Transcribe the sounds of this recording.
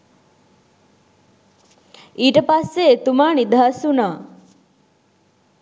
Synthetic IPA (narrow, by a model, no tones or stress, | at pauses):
iʈəpaseːt̪umaːɳid̪ʱasuna